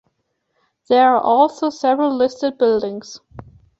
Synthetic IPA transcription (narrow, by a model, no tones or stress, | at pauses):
ðɛ˞aʔɔlˠsoʊsɛvɹəl̩ˠlɪstɨd̚bɪlˠdɪ̃ŋz̥